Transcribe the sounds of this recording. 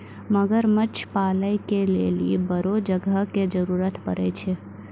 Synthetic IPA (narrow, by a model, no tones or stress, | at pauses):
məɡəɾmət͡ʃʰpaləjkelḛlḭbəɾod͡ʒəɡəked͡ʒəɾuɾət̪pəɾɛ̰t͡ʃʰɛ